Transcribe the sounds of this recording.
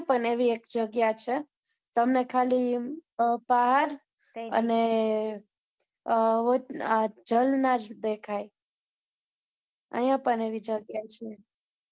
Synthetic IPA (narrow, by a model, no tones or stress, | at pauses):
pəɳeʋiekd͡ʒəɡjat͡ʃʰe | t̪əmnekʰali | baɦaɾ | ə̰ne | od͡ʒəlnaɾd̪ekʰaj | ə̰jãpəɳeʋid͡ʒəɡjat͡ʃʰie